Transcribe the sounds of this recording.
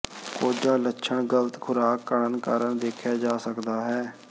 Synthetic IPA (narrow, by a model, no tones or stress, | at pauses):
koːd͡ʒãːlətːʃʰəɳɡələt̪kʰʊɾaːkːəɽənkaːɾəɳd̪eːkʰjaːd͡ʒaːsəkd̪aːɦɛː